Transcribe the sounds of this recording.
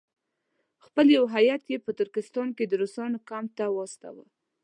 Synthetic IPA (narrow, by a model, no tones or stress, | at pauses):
xpəljawɦajat̪jepət̪ʊɾkɪst̪ɑnked̪əɾusɑnokamt̪awɑst̪a̰wə̰